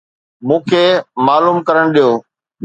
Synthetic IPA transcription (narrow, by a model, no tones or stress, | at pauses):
mũːkʰeːmaːluːmkɐɾəɽ̃ɗijoː